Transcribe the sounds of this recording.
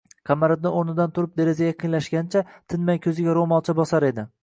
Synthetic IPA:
qʰɑmaɾɪd̪̚nɪoɾnɪd̪ant̪ʰʊɾɪp̚d̪e̞ɾezaɡʲaqʰɨnlaʃɡʲanɪt͡ʃʰat̪ʰɪnmajkʲʰɵzɪɡʲaɾomɒlˠt͡ʃʰabɒsaɾe̞d̪ɪ

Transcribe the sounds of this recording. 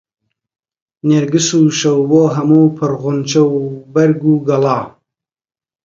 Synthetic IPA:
neɾɡɨsuːʃɐwboːɦɐmuːpʰɨɾɣʊnt͡ʃɐwbɐɾɡuːɡɐlɑː

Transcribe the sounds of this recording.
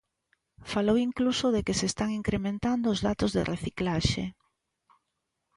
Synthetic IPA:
falowiŋklusoðekesest̪aŋiŋkɾemẽnt̪and̪oːzðat̪ozðḛreθiklaʃḛ

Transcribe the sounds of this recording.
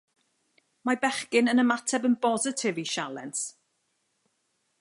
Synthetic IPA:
mabɛχkɪnənəmatʰɛbənbɔzɪtʰɪviʃalˠɛ̰ns

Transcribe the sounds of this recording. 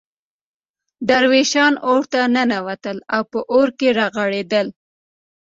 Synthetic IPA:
d̪aɾweʃɑnoɽt̪ananawat̪əlawpəʔoɾkeɾɑɣaɽed̪əl

